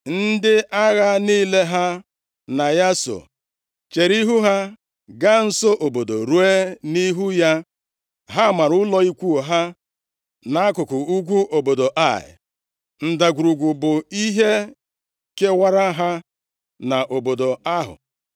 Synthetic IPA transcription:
n̩˦dɪ˦ʔa˦ɣa˦niː˦le˦ɦa˦ | na˨ja˦so̰˨ | t͡ʃe˨ɾi˦ɦu˦ɦa˦ | ɡa˦n̩˦so˦ʔo˨bo˨do˨ɾu˦e˦ni˦ɦu˦ja˦ | ɦa˦ma˨ɾʊ˦lɔ˦i˦kʷu˦o˨ɦa˦ | na˨a˦kʊ˨kʊ˨u˦ɡʷu˦ʔo˨bo˨do˨ʔa˦˨ɪ̰˨ | n̩˨da˨ɡʷu˨ɾu˨ɡʷu˨bʊ˨i˦ɦe˦ | ke˦wa˦ɾa˦ɦa˦ | na˨ʔo˨bo˨do˨a˦ɦʊ̰˨

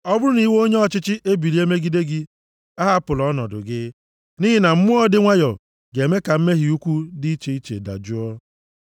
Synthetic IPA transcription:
ɔ˦bʊ˦ɾʊ˦ni˦wo˦ɲe˦ɔ˦˨t͡ʃɪ˦t͡ʃɪ˦ʔe˦bi˨ɾi˨˦e˦me˦ɡi˦de˦ɡɪ˦ | a˦ɦa˦pʊ˨lɔ˨˦nɔ˨dʊ̰˨ɡɪ˦ | ni˦ɦɪ˦na˨m̩˦mʊ˦ɔ˦dɪ˦ŋʷa˦jɔ˨ | ɡe˨me˦ka˨m̩˦me˦ɦi˨u˦kʷu˦di˦i˦t͡ʃe˨˦i˦t͡ʃḛ˨da̰˨d͡ʒu˦ɔ˦

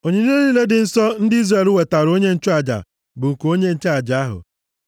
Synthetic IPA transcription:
o˨ɲe˨ni˦e˦ni˦le˦dɪ˨n̩˦sɔ˦n̩˦dɪ˦i˦zre˨lʊ˦we˨ta˨ɾo˦ɲe˦n̩˦t͡ʃʊ˦a˨d͡ʒa̰˨ | bʊ˨ŋ̩˨ku˨o˦ɲe˦n̩˦t͡ʃe˦a˨d͡ʒa˨a˦ɦʊ̰˨

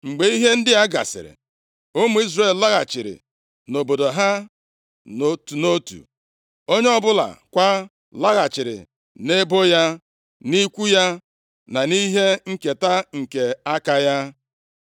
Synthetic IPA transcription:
ŋ͡m̩˨ɡ͡be˨i˦ɦe˦n̩˦dɪ˦ja˦ɡa̰˨sɪ̰˨ɾḛ˨ | o˦mu˨˦i˦zɾe˦˨lla˦ɣa˨t͡ʃɪ˨ɾɪ̰˨ | no˨bo˨do˨ɦa˦ | no˨tu˨no˦tṵ˨ | o˦ɲe˦ɔ˦bʊ˦la̰˨kʷa˦ | la˦ɣa˨t͡ʃɪ˨ɾɪ̰˨ | ne˦bo˦ja˦ | ni˦kʷu˦ja˦ | na˨ni˦ɦe˦ŋ̩˨ke˨ta˦ŋ̩˨ke˨a˦ka˦ja˦

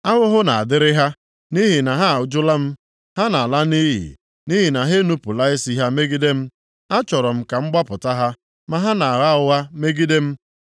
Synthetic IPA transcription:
a˦ɣʊ˦ɦʊ˦na˨a˨dɪ˦ɾɪ˦ɦa˦ | ni˦ɦi˨na˨ɦa˦˨ʊ˦d͡ʒʊ˦la˦m̩˦ | ha˦na˨la˦ni˦ɦḭ˨ | ni˦ɦi˨na˨ɦe˦nu˦pu˨la˦ɪ˦si˦ɦa˦me˦ɡi˦de˦m̩˦ | a˦t͡ʃɔ˨ɾɔ˨m̩˦ka˨ŋ͡m̩˦ɡ͡ba˦pʊ˨ta˦ɦa˦ | ma˨ɦa˦na˨a˨ɾa˦ʊ˦ɣa˦me˦ɡi˦de˦m̩˦

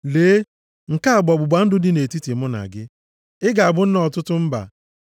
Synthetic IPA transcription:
leː˨˦ | ŋ̩˨ka˦a˨ɡ͡bɔ˨bʊ˨ɡ͡ba˨n̩˦dʊ˦dɪ˦ne˨ti˦ti˨mʊ˦na̰˨ɡɪ˦ | ɪ˦ɡa˨a˨bʊ˦n̩˦nɔ˨tʊ˦tʊ˦m̩˦ba̰˨

